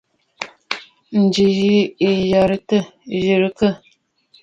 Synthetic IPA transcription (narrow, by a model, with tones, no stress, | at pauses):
n̩˨d͡ʒi˨ji˦i˨ja˨ɾə˦tə˦˨ʒi˨ɾi˨kə˦˨